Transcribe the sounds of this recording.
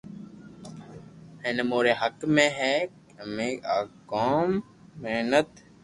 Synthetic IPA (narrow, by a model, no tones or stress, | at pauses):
ẽːnemoːɾeːɦəkmẽɦɛːk | əmẽːaːkoːmː | eːnət̪